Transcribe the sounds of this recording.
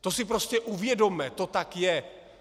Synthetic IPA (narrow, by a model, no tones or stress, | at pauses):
t̪o̞sɪpɾo̞scɛʔuvjɛdo̞mɛt̪ot̪akjɛ